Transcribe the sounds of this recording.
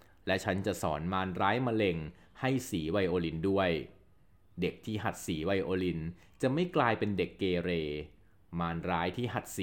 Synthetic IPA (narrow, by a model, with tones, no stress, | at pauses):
lɛ˦˥t͡ɕʰa˦˥nt͡ɕa˨˩ʔsɔː˩˦nmaː˧nɾaː˦˥jmaː˧le˧ŋ | ha˥˩jsiː˩˦wa˧jʔoː˧li˧˥ndu˥˩əj | de˨˩k̚t̪ʰiː˥˩ɦa˨˩t̪̚siː˩˦wa˧jʔoː˧li˧n | t͡ɕa˨˩ma˥˩jklaː˧jpe˧nde˨˩kːeː˧ɾeː˧ | maː˧nɾaː˦˥jt̪ʰiː˥˩ɦa˨˩t̪̚si˨˦